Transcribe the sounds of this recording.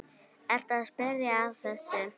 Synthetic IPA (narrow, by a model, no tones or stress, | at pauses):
ɛɾ̥t̪aðspɛɾjaːvθɛsːʏ